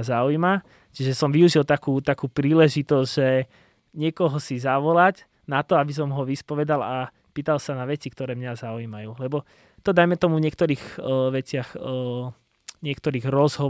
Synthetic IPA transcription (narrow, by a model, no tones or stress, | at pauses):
zaujma | t͡ʃiʒɛsɔmʋiuʒilt̪akuːt̪akuːpɾiːlɛʒit̪ɔzʒɛ | ɲɪɛkɔɦɔsizaʋɔlac | nat̪ɔabis̬ɔmɦɔʋispɔʋɛd̪ala | piːt̪alsanaʋɛt͡sikt̪ɔɾɛːmɲazaujmajuːlɛbɔ | t̪ɔd̪ajmɛt̪ɔmuvɲɪɛk̚t̪ɔɾiːɣʋɛt͡sɪax | ɲɪɛkt̪ɔɾiːɣɾɔzɦɔ